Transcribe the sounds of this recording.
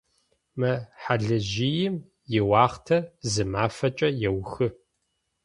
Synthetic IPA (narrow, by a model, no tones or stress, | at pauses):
mɨħaɮɨʑijɪm | jɪwɑːχtʰɐzɨmaːfɐt͡ʃʼɐjɛwxɨ